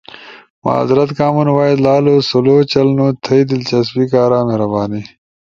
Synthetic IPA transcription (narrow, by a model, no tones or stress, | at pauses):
ma̰ːzɾɐt̪kaːmunwaːid̪laːloːsuloːt͡ɕɐlnoːt̪ʰɐid̪ilt͡ɕɐs̬bikaːɾaːmeɦɾɐbaːniː